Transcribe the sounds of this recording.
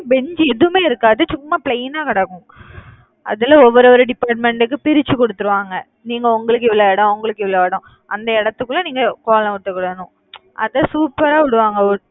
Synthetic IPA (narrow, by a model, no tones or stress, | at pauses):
bɛɲd͡ʒɛðɯmeːɪɾɯkːaːðɯt͡ʃʊmːaːpɭejnaːkɐɽaːkːʊ̃ŋ | ɐ̰ðɪlɐɔʋːɔɾɔɾɯɖɪpːaːʈ̬̚mɛɳʈɯkːɯpɪɾɪt͡ʃːɯkɔɽɯt̪ːɯɾɯʋaːŋɡɐ | niːŋɡɐɔŋɡɐɭɯk̬ːɪʋɪɭɐɛɽɐ̃ʊŋɡɐɭɯkːɪʋɪɭloɛɽʊ̃ | ʔɐnd̪ɐɪɽɐt̪ːɯkːɯlːɐniːŋɡɐkoːlɐ̃ʋʊʈːɯkːɐɽɐnʊ̃ | ʔɐ̰ðɐsuːpːɐɾaːʋɪɽɯʋaːŋɡɐɔɾ